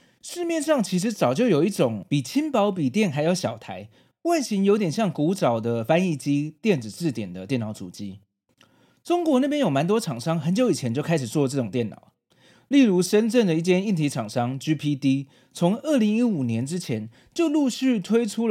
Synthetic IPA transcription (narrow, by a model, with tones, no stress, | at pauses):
ʂɻ̩˥˧mjɛ˥˧nʂɑ˥˩ŋt͡ɕʰi˧˥ʂ̬ɻ̩˧˥t͡sɑ˨˩ʊt͡ɕjo˥˩ʊjo˨˩ʊi˥˩ʈ͡ʂʊ˨˩˦ŋpi˨˩t͡ɕʰi˦˥npɑ˧˥ʊp̬i˨˩t̪jɛ˥˩nxa˧˥ɪjo˧˥˩ʊɕjɑ˨˩ʊt̪ʰa˧˥ɪ | wa˥˩nɕi˧˥ŋjo˧˥t̪jɛ˨˩nɕjɑ˥˩ŋku˧˥ʈ͡ʂɑ˨˩ʊd̪ə˦fa˥ni˥˩t͡ɕi˥t̪jɛ˥˩nt͡s̩˨˩t͡sɻ̩˥˩t̪jɛ˨˩nd̪ə˦t̪jɛ˥˩nːɑ˨˧˩ʊt͡sṵ˨˩t͡ɕi˧˥ | ʈ͡ʂʊ˥ŋkwɔ˧˥na˥˩pjɛ˥njo˨˩ʊma˧˥nt̪̬wɔ˥ʈ͡ʂʰɑ˨˩ŋʂɑ˥ŋxə˧˦˥nt͡ɕjo˧˥ʊi˨˩t͡ɕʰjɛ˧˦nt͡ɕjo˥˩ʊkʰa˥ɪʂɻ̩˨˩t͡swɔ˥˧ʈ͡ʂɤ˥˩ʈ͡ʂʊ˨˩ŋt̪jɛ˥˩nɑ̰˨˩ʊ | li˥˩ɻu˧˥ʂə˦˥nʈ͡ʂə˥˩nd̪ə˩i˥˩t͡ɕjɛ˥ni˥˩nt̪ʰi˧˥ʈ͡ʂʰɑ˨˩ŋʂɑ˥ŋt͡ɕy˥pʰi˥t̪i˥ | t͡sʰʊ˧˥ŋə˞˥˩li˧˥ŋi˦˥u˨˩njɛ˧˥nʈ͡ʂɻ̩˥t͡ɕʰjɛ˧˦n | t͡ɕjo˥˧ʊlu˥˧ɕy˥˩t̪ʰwe˥ɪʈ͡ʂʰu˥